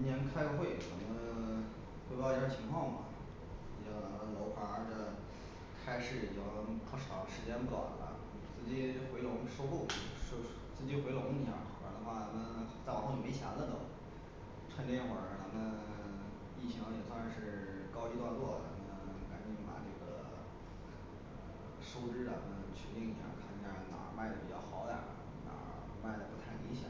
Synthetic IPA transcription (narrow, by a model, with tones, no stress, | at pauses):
i˥njɛ˧˥nkʰa˥ɪxwe˥˩ɪt͡sa˧˩nə˧ | we˥˧pːt͡ɕʰi˧˥ŋkʰwɑ˥˩ŋmɐ̰˨˩˧ | ɑ˧˩˨lo˧˥ʊxʰwa˧˥˧ʈ͡ʂə˧˩ | kʰa˥ɪʂɻ̩˥˩˨o˧˩˧ʂɑ̰˨˧˩ʊ˧ʂɻ̩˧˥t͡ɕjɛ˥npu˥˩ɑ̰˨˩˦lɐ̰˧˩ | t͡sɹ̩˥˩t͡ɕi˧˥xwe˧˥ɪlʊ˧˥ŋʂo˥ʊku˥˩˧ʂ | t͡sɹ̩˥˧˩t͡ɕi˥xwe˧˥ɪlʊ˧˥ŋi˧˥ja̰˥˩˧wə̰˧˥d̪ə˧xwa˥˩t͡sa˧˥mə˧nt͡sa˥˩ɪwo˥˩jo˨˩me˧˥ɪɕja̰˧˥lə˥˧d̪ə˧˩ | t͡sʰwa˥˧nt̪jɛ˥˩nxwə˨˥˩t̪a˧˥nə˧ | i˥˩t͡ɕʰi˧˥ŋ˧jɛ˨˩swa˥˧nʂɻ̩˥˩˧kɑ˥ʊi˧˥t̪wa˥˧t͡swɔ˥˩t͡sa˧˥mə˧n˧ka˧˨˩nt͡ɕi˧˥˩ŋ˥˧pa̰˨˩ʈ͡ʂɤ˥˩ɡə̰˩ | ə˧ | ʂo˥ʊʈ͡ʂɻ̩˥a˧˩mə˧nt͡ɕʰɛ˧˥t̪i˥˩ŋ˧˩ja̰˥˧˩kʰa˥˩ni˧˥˩ja˥˧˩na̰˨˩˥ma˥˩ɪd̪ə˩pi˨˩t͡ɕjɑ˥˩ʊxɑ˧˥ʊd̪ə̰˨˧˩ | na̰˨˩˥ | ma˥˩ɪd̪ə˩pu˧˥t̪ʰa˥˩ɪli˧˥ŋɕjɑ̰˩˦